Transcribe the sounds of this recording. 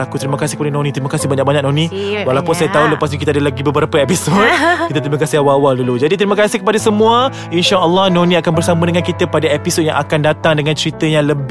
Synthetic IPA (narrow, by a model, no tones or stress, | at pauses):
akut̪əɾiməkasɪ̥hkəpadanõnit̪ɾiməkasihbaɲaʔ̚baɲaʔk̚nɔ̃nĩwalapʊnsajat̪auləpasɲukit̪adalaɡibəbəɾapəepisod̚kkit̪at̪ɾimə̃kasiawawadulud͡ʒadit̪əɾiməkasɪhkəpadasəmũə | inʃaʔəlːɔhnonĩakanbərsamadəŋãnkit̪apadaepisod̚jã̰ŋʔa̰kandat̪aŋdəŋãnt͡ʃəɾit̪əjaŋləb